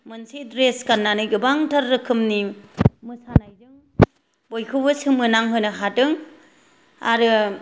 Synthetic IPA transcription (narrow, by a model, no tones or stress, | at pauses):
mɯnsidɾeskanːanɯɡɯbaŋtʰaɾːɯkʰɯmnimɯsanajdɯŋ | bojkʰɯbɯsɯmɯnaŋɦojnɯɦatɯŋ | a̰ɾɯ